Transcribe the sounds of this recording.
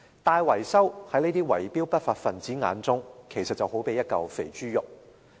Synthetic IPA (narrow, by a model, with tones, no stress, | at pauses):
t̪aː˧jwɐ˨˩jsɐ˥whɐ˨˥jne˥t̪iː˥wɐ˨˩jpiː˥wpɐ˥t̚faː˧t̚fɐ˨nt͡siː˨˥ŋa̰ː˨˧˥nt͡sʊ˥ŋkʰe˨˩jsɐ˨t̚t͡sɐ˨who˨˥wpe˨˧jɐ˥t̚kɐ˨wfḛ˨˩jt͡ʃyː˥jʊ˨k̚